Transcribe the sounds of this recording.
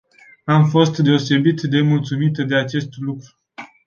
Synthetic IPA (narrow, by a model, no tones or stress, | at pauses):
amfo̞st̪d̪e̞o̞se̞bit̪d̪e̞mult̪sumit̪d̪e̞at͡ʃe̞st̪lukɾu